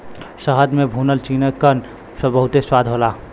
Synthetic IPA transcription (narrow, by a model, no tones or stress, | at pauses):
səɦəd̪mebʱunəlt͡ʃinəkːən | sə̃bəɦut̪eswad̪ʱɦola